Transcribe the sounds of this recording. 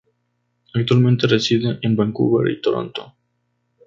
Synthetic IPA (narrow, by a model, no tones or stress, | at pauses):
ak̚t̪walmẽnt̪eresiðeʔenbaŋkṵβaɾḭit̪oɾo̰nt̪o